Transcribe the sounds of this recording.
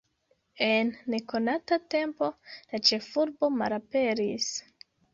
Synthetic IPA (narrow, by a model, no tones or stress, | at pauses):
e̞nːe̞ko̞natate̞mpo̞lat͡ʃe̞fuɾbo̞malape̞ɾis